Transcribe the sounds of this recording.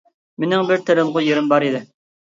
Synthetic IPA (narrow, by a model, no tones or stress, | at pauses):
mɪnɪŋbɪɾt̪ʰeɾɪmʁʊjeɾɪmbɑɾid̪ɪ